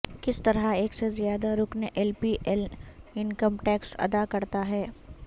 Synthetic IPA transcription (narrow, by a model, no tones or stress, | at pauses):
kɪst̪ɐɾaeːksezijaːd̪aɾʊkneʔɛlpiʔɛlɪnkəmʈɛːksɐ̰d̪akɐɾt̪aɦɛː